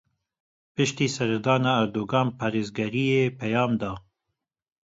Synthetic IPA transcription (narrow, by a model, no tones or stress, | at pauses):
pɨʃt̪iːsɛɾɛd̪ɑːnɑːɾd̪oːɡɑːnpʰɑːɾeːzɡɛɾijeːpɛjɑːmd̪ɑː